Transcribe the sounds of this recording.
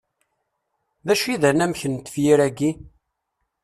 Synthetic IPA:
ðæʃiðænæmçənt̪ːə̥fjiɾæɡi

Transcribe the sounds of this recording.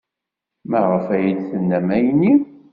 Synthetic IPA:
mæʁəfæjəd̪θənːæmæjni

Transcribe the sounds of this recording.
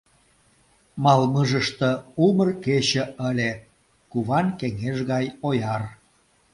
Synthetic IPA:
mɑlməʒəʃt̪ə̆umərket͡ɕə̆əlʲe | kuβɑnkeŋeʒɣɑjojɑr

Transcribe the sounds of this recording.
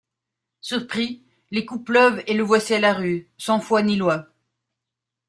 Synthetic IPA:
syʁpχi | lekuplœveləvwasialaʁysɑ̃fwanilwa

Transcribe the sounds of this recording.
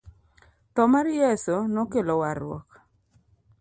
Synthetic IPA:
t̪ɔmaɾjesonɔkelɔwaɾwɔ̰k

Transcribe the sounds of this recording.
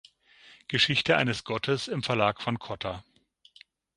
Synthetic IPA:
ɡ̥əʃɪçtəʔa̰ɪnəsɡ̥ɔtʰəsɪmfɛɐlaːkfɔnkʰɔtʰa

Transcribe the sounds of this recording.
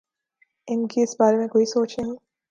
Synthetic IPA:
ɪnkiɪsbaːɾemẽkoːisoːt͡ʃnɐɦĩ

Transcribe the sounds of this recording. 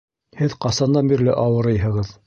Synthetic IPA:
hɘðqɑsɑnd̪ɑnbiɾlɘ̰ʔɑwɤ̆ɾɤjɦɤ̆ʁɤð

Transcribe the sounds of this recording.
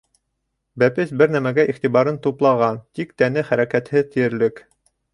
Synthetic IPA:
bæpɘsbɘɾnæmæɡæʔiχt̪iβɑɾɤnt̪uplˠɑʁɑnt̪ik̚t̪ænɘχæɾækæt̪hɘt̪ɘ̆jɘ̆ɾlɘk

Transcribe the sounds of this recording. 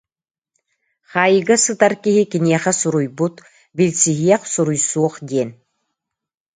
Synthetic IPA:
χaːjiɡɐsɨt̪aɾkiɦikiniɛχɐsuɾujbut̪ | bilʲt͡siɦijɛqsuɾujsuɔχd̪ʲeːn

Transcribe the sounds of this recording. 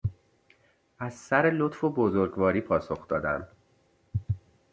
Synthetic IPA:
æzsæɾelot̪fobozoɾɡvɒːɾiːpʰɒːso̞xd̪ɒːd̪æ̰nd̪

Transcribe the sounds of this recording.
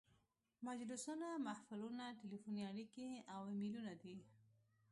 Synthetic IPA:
mad͡ʒlʊsunamahfalunaʈelifuniaɽikeawɪmilunad̪i

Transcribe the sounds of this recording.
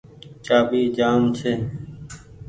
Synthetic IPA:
t͡ʃaːɓiːd͡ʒaːmt͡ʃʰeː

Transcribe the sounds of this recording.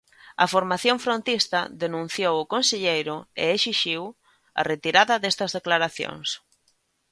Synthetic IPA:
ɐfoɾmaθjoɱfɾõnt̪ist̪ɐðenũn̟θjowʊkonseʎejɾʊḛesiʃiw | ɐ̰ret̪iɾaðɐðest̪ɐzðeklaɾaθjo̰ŋs

